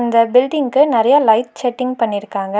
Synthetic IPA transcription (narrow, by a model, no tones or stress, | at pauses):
nd̪ɐbɪlɖɪŋkɯnɪɾɐjalɐɪʈ̪̚t͡ʃɛʈːɪŋɡpɐɳːɪɾɯkːaːŋɡɐ